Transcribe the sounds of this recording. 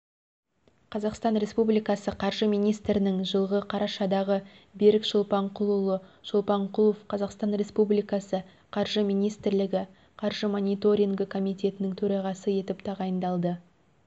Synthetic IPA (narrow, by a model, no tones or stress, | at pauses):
qʰɑzɑqst̪ɑnɾe̞spublijkɑsəqʰɑɾʒəmijnijst̪ɾɪnɪŋʒəlˠʁəqʰɑɾɑʃɑd̪ɑʁə | beɾɪkʒʊlˠpɑɴqʰʊlˠulˠəʒ̥olˠpɑɴqʰulˠofqʰɑzɑqst̪ɑnɾe̞spublijkɑsə | qʰɑɾʒəmijnijst̪ɪɾlɪɡʲɪ | qʰɑɾʒəmo̞nʲijt̪o̞ɾʲiŋɡɪkʰo̞mijt̪ʲe̞t̪ɪnɪŋt̪ʰɵɾɑʁɑsəje̞t̪ɪpt̪ʰɑʁɑjənd̪ɑlˠd̪ə